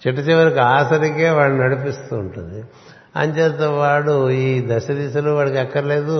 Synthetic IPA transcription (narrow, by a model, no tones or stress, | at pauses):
t͡ʃiʈ̬ːɐt͡ʃiʋɐɾɐkiaːsɐɾike̞ːʋaːɭunɐɽipist̪uːɳʈṵnd̪i | ɐ̰ɲt͡ʃeːt̪eʋaːɽuiːd̪ɐʃɐd̪iːsɐluʋaːɭɐkɛkːɐɾle̞ːd̪u